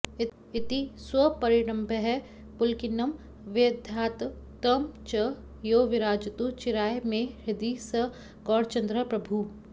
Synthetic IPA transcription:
ɪ | ɪt̪iswɐpɐɾɪɾɐ̃mbʱəɦɛ | pʊlkɪnɐm | ʋed̪ʱjaːt̪ | t̪ɐmt͡ʃɐ | joːʋɪɾaːd͡ʒɐt̪ut͡ʃɪɾaːjmẽhɪd̪isɐ | ɡɔːɽt͡ʃɐ̃nd̪ɾəpɾɐbʱu

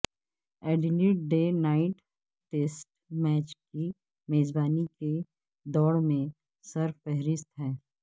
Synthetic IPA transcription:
ɛːɖɪliʈ̚ɖeːnaːɪʈː | eːsʈ | mɛːt͡ʃki | meːzbaːnike | d̪ɔːɽmẽ | sɐɾffɛɦɾɪst̪ɦɛː

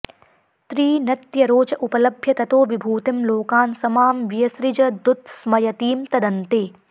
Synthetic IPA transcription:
t̪ɾiːnɐt̪jɐɾoːt͡ʃɐʔupɐlɐbʱjɐt̪ɐt̪oːʋibʱuːt̪ɪmloːkaːnsɐmaːmʋijɐsɾɪd͡ʒɐd̪ut̪̚smɐjɐt̪iːmt̪ɐd̪ɐnt̪eː

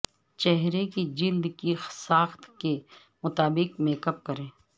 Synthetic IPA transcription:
t͡ʃɛɦɾekid͡ʒɪld̪kisaːxt̪ke | mʊt̪aːbɪqmeːkəp̚kɐɾẽː

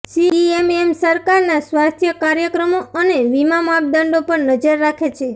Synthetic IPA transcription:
siiememsəɾkaɾnasʋast̪ʰjəkaɾjəkɾəmoəneʋimamap̚d̪əɳɖopəɳnəd͡ʒəɾːakʰet͡ʃʰe

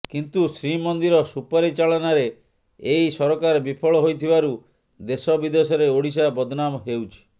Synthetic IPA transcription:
kint̪usɾimɔnd̪iɾɔsupɔɾit͡ʃaɭɔnaɾeː | ijsɔɾɔkaɾɔbipʰɔɭɔɦojt̪ʰibaɾu | d̪esɔbid̪esɔɾeoɽis̬abɔd̪ʱɔnamɦewt͡ʃʰi̥

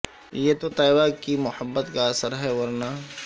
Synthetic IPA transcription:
jeːt̪ot̪aːɪbaːkimʊhəbːət̪kaɐsəɾɦɛʋɐɾnaː

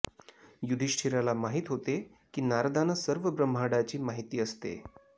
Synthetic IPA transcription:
jud̪ʱiɕʈʰiɾalamaɦiːt̪ɦot̪e | kiːnaɾd̪anəsəɾʋəbɾəm̤ɦaɽat͡ɕiːmaɦit̪iːəst̪ḛ

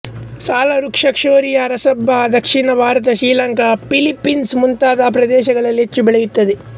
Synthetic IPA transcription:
saːlɐɾukʂɐkʂoːɾijaɾɐsɐbʱːad̪ɐkʂinɐbʱaːɾɐt̪̬ɐʃɾiːlɐŋkɐpilipːinsmunt̪aːd̪aːpɾɐd̪ɛːʃɐɡɐɭɐlːet͡ʃːubɛɭɐjut̪ːɐd̪e

